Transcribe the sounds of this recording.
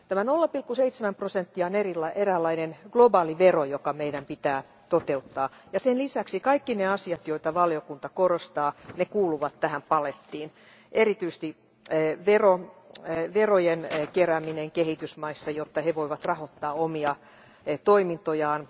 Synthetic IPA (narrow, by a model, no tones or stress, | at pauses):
t̪æmænolːɑpilkːuseit̪semæmprosent̪ːiɑonerilːɑʔeræːlːɑinenɡ̥lobɑːliʋerojokɑmeiɾæmpit̪æː | t̪ot̪eut̪ːɑːjɑsenlisæksikɑikːineɑsiɑt̪joit̪ɑʋɑliokunt̪ɑkorost̪ɑːnekuːluʋɑt̪tæhæmpɑlet̪ːiːn | ʔeɾit̪yist̪i | ʋero | ʋerojenkeræmineŋkehit̪ysmɑisːɑjot̪ːɑheʋoiʋɑt̪rɑhot̪ːɑːomiɑ | t̪oimint̪ojɑːn